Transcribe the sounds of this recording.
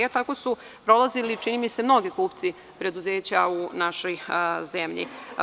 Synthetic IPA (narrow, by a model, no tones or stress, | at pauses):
et̪ako̞su | pɾolˠazilit͡ʃinimise̞mno̞ɡikuːpt̪si | pɾe̞d̪uze̞ːt͡ɕaunaʃo̞jze̞mʎḭ